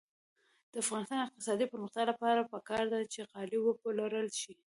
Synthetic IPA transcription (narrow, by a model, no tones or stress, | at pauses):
d̪̥əafɣɑnɪst̪ɑnɪq̚t̪ɪ̥sɑd̪ipəɾməxt̪jɑlapɑɾapəkɑɾd̪at͡ʃeqɑliwəpəlaɾəlʃi